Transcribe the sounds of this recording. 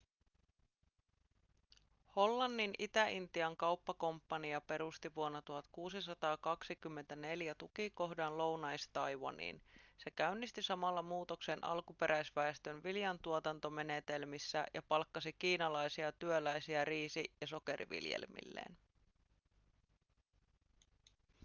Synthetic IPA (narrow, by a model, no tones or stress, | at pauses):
ho̞lːɑnːinit̪æint̪iɑŋkɑwpːɑko̞mpːɑniɑpe̞ɾust̪iʋuonːɑt̪uɦɑt̪kuːsisɑt̪ɑːkɑksikymːe̞nt̪æne̞ljæt̪ukiko̞ɦdɑnlo̞wnɑjst̪ɑjʋɑ̰nḭːnse̞kæynːist̪isɑmɑlːɑmuːt̪oksenʔɑ̰lkupe̞ɾʔæjsʋæest̪ønʋiljɑnt̪uot̪ɑnt̪o̞me̞net̪e̞lmisːæ̰jʔɑpɑlkːɑsikiːnɑlɑjsiɑt̪yølæjsiæriːsiʔjɑso̞ke̞ɾḭʋḭljḛlmḭlːḛːn